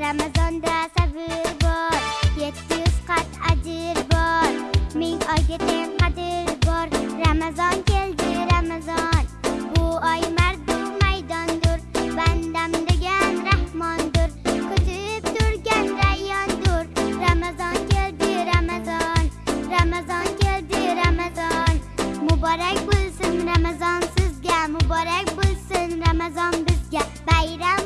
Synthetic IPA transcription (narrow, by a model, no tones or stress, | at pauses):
ɾamazɒnd̪asabɪɾbɒɾje̞t̪ʰːɪjyz̥qʰat̪ad͡ʒɪɾbɒɾmɪŋɒɡʲɪt̪ʰeqʰɑd̪ɪɾbɒɾɾamazɒnkʲʰe̞lˠd̪ɪɾamazɒnbʊɒjmaɾd̪ʊmajd̪ɒnd̪ʊɾband̪amd̪eɡʲanɾahmɒnd̪ʊɾqʰʊt̪ʰɪp̚t̪ʊɾɡʲanɾajɑnd̪ʊɾɾamazɑnkʲeld̪ɪɾamazɒnɾamazɑnkʲʰeld̪ɪɾamazɒnmʊbɑɾak̚ʲbolˠsɪnɾamazɑnsɪzɡʲamʊbɑɾak̚ʲbolˠsɪnɾamazɒnbɪzɡʲa | bajɾam